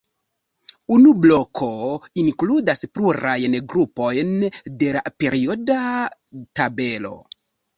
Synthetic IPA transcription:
unublo̞kʰo̞iŋkludaspluɾajnɡɾupo̞jnde̞lape̞ɾio̞da | tabe̞lo̞̰

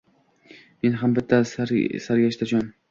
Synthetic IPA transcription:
me̞nɦambɪt̪ʰːasɾsaɾɡʲaʃt̪ad͡ʒɒn

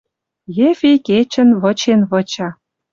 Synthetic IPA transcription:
jefʲiket͡ɕə̆nβɤ̆t͡ɕenβɤ̆t͡ɕɑ

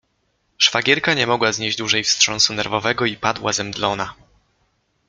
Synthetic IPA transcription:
ʂfaɡʲjɛɾkaɲɛmɔɡwazɲed͡ʑd͡ʑd̪wuʐɛjfstʂɔnsunɛɾvɔvɛɡɔipad̪wazɛmd̪lɔna

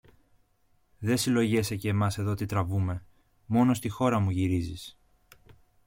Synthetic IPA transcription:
ðe̞silo̞ʝe̞seceːmɐse̞ðo̞t̪it̪ɾɐvume̞ | mo̞no̞st̪ixo̞ɾɐmuʝiɾizis

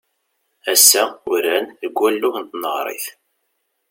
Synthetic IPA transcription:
æsːæʊɾænðəɡʷːælːʊθənt̪nəʁɾˤḭθ

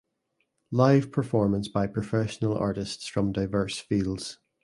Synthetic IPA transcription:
lˠaɪv̥pʰə˞fɔɹmə̃nsb̥aɪpʰɹ̥əfɛʃənəlˠa̰ɹʔɪstsfɹə̃mdaɪvɜ˞sfilˠdz̥

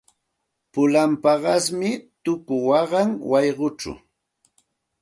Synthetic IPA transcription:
pʊlampɑɢɑsmɪt̪ʊkʊwɑɢɑŋwɑjɢʊt͡ʃʊ̰

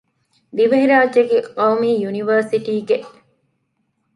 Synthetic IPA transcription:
d̪iʋɐɦiɾaːd͡ʒeɡeqɐwmiːjuniʋəːɾsiʈiːɡeʔ

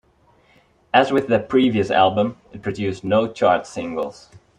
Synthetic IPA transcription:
ɨzwɪðɨpʰɹ̥iviɨsæ̰lˠbə̃mɨt̚pʰɹ̥ɨdʉsnoʊt͡ʃʰɑɹtsɪ̃ŋɡəl̩ˠz̥

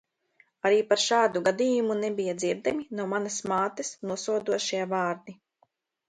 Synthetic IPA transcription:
aɾiːpaɾʃaːd̪uɡad̪iːjumunebijad̪ziɾd̪aminawmanɐsmaːt̪ɐsnuɔsuɔd̪uɔʃiavaːɾd̪i

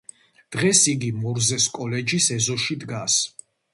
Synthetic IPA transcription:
d̪̥ʁɛsiɡimɔɾzɛskʼɔlɛd͡ʒisɛzɔʃid̪ɡas

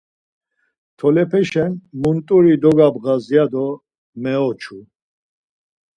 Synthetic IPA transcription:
t̪ʰɔlɛpʰɛʃɛnmunt̪ʼuɾid̪ɔɡabɣazijad̪ɔ | mɛɔt͡ʃʰu

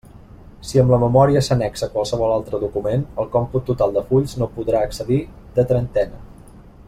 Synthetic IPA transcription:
siəmləməmɔɾiəsənɛksəkwalˠsəβ̞ɔlalˠt̪ɾəðukumenəlˠkɔmput̪ːut̪alˠd̪əfuʎznopuðɾaəksəði | d̪ət̪ɾənt̪ɛnə

